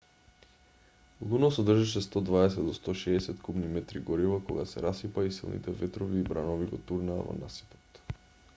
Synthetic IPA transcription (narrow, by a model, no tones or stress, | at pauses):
lˠunɔsɔd̪r̩ʒiʃ̬ɛst̪ɔd̪vaɛs̬ɛd̪d̪ɔst̪ɔʃɛːsɛt̪kubnimɛt̪ɾiɡɔɾivakɔɡasɛ̰ɾasipaisḭlˠnḭt̪ɛvɛt̪ɾɔviːbɾanɔviɡɔt̪uɾna̰ːvɔ̰nasi̥po̥t̪